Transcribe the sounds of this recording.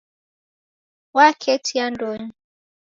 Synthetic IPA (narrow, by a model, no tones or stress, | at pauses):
wakʰɛtʰiandɔɲi